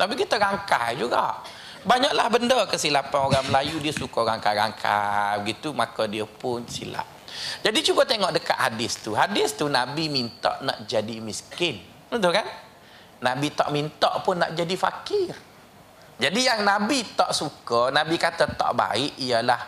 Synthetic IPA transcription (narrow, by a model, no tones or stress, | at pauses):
nabiɡit̪əɣaŋka̰d͡ʒuɡa̰ʔ | baɲaʔlahbəndəkəsilapanoɾaŋməlajudiəsukɔɣaŋkaɾa̰ŋkʰa̰bəɡit̪umakədiəpʊnsḭla̰ʔ | d͡ʒadit͡ʃukət̪eŋɔʔdəka̰ʔ̪hadɪst̪uɦadɪst̪unabimint̪ɔ̰ʔna̰ʔd͡ʒadimiskɪn | ət̪ukan | nabit̪ɔ̰ʔmint̪ɔʔpʊnːa̰ʔd͡ʒadifa̰kɪr | d͡ʒadijaŋnabit̪ɔʔsukənabikat̪ət̪ɔ̰ʔba̰ɪʔijəlah